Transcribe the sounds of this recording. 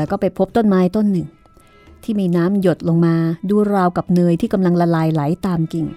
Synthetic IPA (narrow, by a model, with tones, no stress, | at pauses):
ɛ˦˥wkɔː˥˩pa˧jpʰo˦˥p̚t̪o˥˩nmaː˦˥jt̪o˥˩nːɯ˨˩ŋ | t̪ʰiː˥˩miː˧naː˦˥mjo˨˩t̪̚lo˧ŋmaː˧duː˧ɾaː˧wka˨˩p̚nɯː˧jt̪ʰiː˥˩ka˧mla˧ŋla˧laː˧jla˩˦jt̪aː˧mki˨˩ŋ